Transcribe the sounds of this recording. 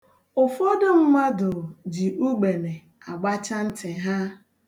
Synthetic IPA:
ʊ˨fɔ˦dʊ˦ŋ͡m̩˦ma˦dʊ˨d͡ʒi˨ʔu˦ɡ͡be˨ne˨ | a˨ɡ͡ba˦t͡ʃa˦n̩˦te˨ɦa˦

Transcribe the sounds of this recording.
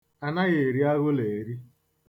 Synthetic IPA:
a˨na˦ɣe˨ɾi˦a˦ɣʊ˦le˨ɾi˦

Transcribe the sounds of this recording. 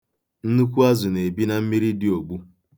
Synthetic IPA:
n̩˦nu˦kʷu˦a˦zʊ˨ne˨bi˦na˨m̩˦mi˦ɾi˦dɪ˦o˨ɡ͡bu˦

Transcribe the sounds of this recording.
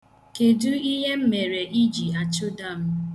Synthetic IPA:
ke˨du˦i˦ɦe˦m̩˦me˨ɾe˨ʔi˦d͡ʒi˨a˨t͡ʃʊ˦da˦˨m̩˦

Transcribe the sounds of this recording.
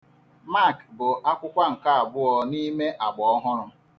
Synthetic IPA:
ma˦˨kbʊ˨ʔa˦kʷʊ˦kʷa˦ŋ̩˨ka˦a˨bʊ˦ɔ˦ni˦me˦ʔa˨ɡ͡bɔ˨ɔ˦ɦʊ˦ɾʊ˦m˦

